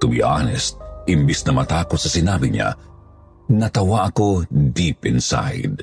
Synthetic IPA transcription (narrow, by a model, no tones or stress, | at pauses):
t̪ʊbḭʔanɛst̪̚ɪmbisnɐmɐt̪aːkot̪̚sɐsɪnaːbiɲa̰ | nɐt̪ɐwaʔɐko̞d̪ipɪnsa̰jd̪̚